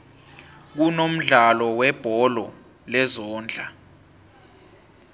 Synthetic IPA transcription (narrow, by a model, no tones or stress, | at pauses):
k̬unom̩ɮalɔwɛb̥ʱɔlɔ | lɛzɔːnd͡ɮʱa